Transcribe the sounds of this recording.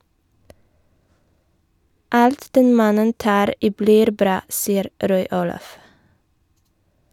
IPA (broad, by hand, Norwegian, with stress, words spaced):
ˈɑlt ˈdɛn ˈmɑnən ˈtɑːɾ ˈiː ˈbliːɾ ˈbɾɑː ˈsiːəɾ ˈɾɔʏ ˈuːlɑf